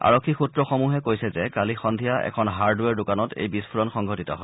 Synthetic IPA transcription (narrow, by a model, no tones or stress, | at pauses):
a̰ɹɔkʰːixutɹɔxɔmuɦɛkojsɛzɛkalixɔndʱijaʔɛ̰kʰɔnɦaɹduɛɹdʊkanɔtḛjbispʰuɹɔnxɔŋɡʱɔtitɔɦɔj